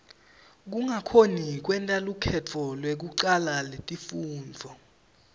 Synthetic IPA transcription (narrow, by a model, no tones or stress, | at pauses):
k̬uŋakʰonik̬wɛntʼalukʰɛt͡fʰɔlwek̬uǀalaletʼifuːnd͡zʱɔ